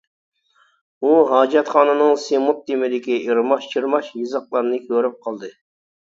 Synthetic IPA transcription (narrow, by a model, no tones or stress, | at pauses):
uɦɑːd͡ʒɛt̪χɑːnɨnɨŋsemut̪̚ːimɪd̪ɪkʲiʔiɾmɑʃt͡ʃʰiɾmɑʃjizɑq̚lˠɑɾnɨkʲʰøɾyp̚qʰɑlˠd̪ɨ